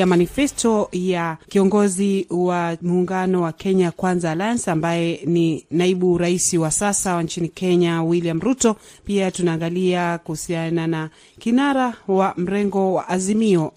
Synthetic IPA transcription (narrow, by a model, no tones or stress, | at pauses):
amanifɛstɔjakiɔŋɡɔziwamuːŋɡanɔwakɛɲakwanzaːlajansambajɛninaiɓuɾaisiwasasawaɲt͡ʃinikɛɲawiliam̩ɾutɔ | piatunaːŋɡaliakuhusianana | kinaɾawam̩ɾɛŋɡɔwa̰ʔazimiɔ